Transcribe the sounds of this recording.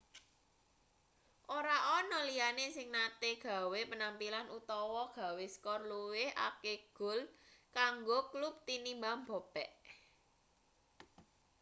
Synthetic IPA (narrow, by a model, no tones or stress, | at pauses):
ʔoɾaʔɔnɔlijanesɪŋnat̪eɡ̥ä̤wepənampilanut̪ɔwɔɡ̥a̤weskɔrluwɪhʔa̰keɡ̥ʊ̤lkaŋɡoklup̚t̪inimbambɔ̤pɛʔ